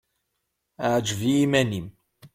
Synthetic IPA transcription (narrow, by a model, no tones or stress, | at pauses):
ʕd͡ʒvimænim